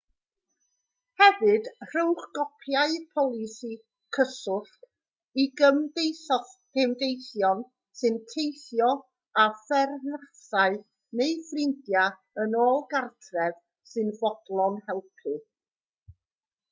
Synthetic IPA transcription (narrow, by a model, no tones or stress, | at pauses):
hɛvɨd̥r̥owχɡ̥ɔpʰjaɨpʰɔlˠɪsi | kʰəsʊɬt | iɡəmdejθɔɡ̥ɪmdejθjɔn | sɨntʰejθjɔ | afɛrnasaɨ | nejfrɪndja | ənoːlˠɡartʰrɛv | sɨnvɔd̥lˠɔnhɛlˠpʰɨ